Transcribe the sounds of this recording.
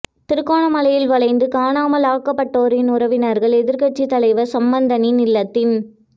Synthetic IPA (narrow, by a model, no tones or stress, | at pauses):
t̪ɪɾɯkːaːɳɐmɐlɐjɪlʋɐɭɐɪnd̪ɯkaːɳaːmɐlaːkːɐpːɐʈːoːɾɪnʊɾɐʋɪnɐɾɣɐɭɛðɪɾkɐʈ̚t͡ʃːit̪ɐlɐɪʋɐsɐmbɐnd̪ɐninɪlːɐt̪ːɪn